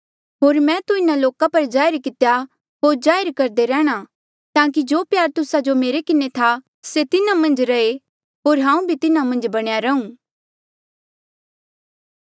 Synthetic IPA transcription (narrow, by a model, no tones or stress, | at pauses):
ɦoːɾmɛ̃t̪uɪnaloːkapɐɾd͡ʒaːɪɾkɪt̪ja | ɦoːɾd͡ʒaːjɾkɐɾd̪eɾɛ̃ːɽ̃a | t̪ãːk̬id͡ʒoːpjaːɾt̪ʊsad͡ʒomeːɾekɪnet̪ʰa | set̪ɪnamɐ̃nd͡ʒɾɐe | ɦoːɾɦãːũbʱit̪ɪnamɐ̃nd͡ʒbɐɽ̃jaɾɐũː